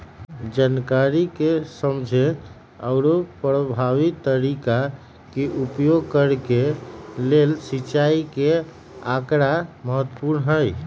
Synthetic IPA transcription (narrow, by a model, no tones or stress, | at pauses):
d͡ʒankaɾikesəmd͡ʒʱe | əʊɾopɾəbʱaʋit̪ːəɾika | keʔupjoɡ̚kəɾkelelsit͡ʃaike | akɾaməɦət̪ːpuɾnɦəj